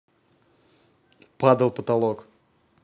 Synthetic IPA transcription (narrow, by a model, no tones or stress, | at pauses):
pad̪əlˠpət̪alˠok